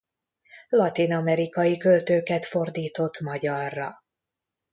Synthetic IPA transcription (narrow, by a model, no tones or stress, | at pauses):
lɒt̪inɒmɛɾikɒjikølt̪øːkɛt̪fo̞rd̪iːt̪o̞t̪mɒɟɒrːɒ